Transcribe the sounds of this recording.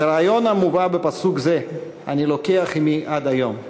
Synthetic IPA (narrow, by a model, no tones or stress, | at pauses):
ɾaajo̞namuvabepasukze | a̰nilo̞keaχimiʔad̪ajo̞m